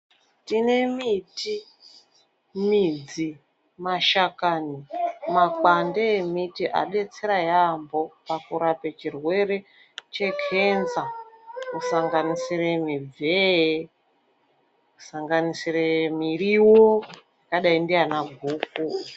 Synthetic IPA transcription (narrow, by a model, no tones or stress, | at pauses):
tine̞miti | mid͡zi | maʃakanimak͡pandemitiʔa̰ɗe̞t͡se̞ɾajambo̞pakuɾapet͡ʃirwe̞re̞ | t͡ʃe̞kʰe̞nzakusaŋɡanisiremib͡ve | ku̥saŋɡanisiremiriwojakaɗaindianaɡʱuːku